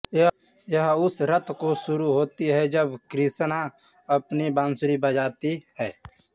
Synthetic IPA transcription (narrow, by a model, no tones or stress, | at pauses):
jəɦʊsɾət̪ʰkoʃʊɾuɦoːt̪iɦɛd͡ʒəbkɾɪsna | əpnibãːnsʊɾibəd͡ʒaːt̪iɦɛː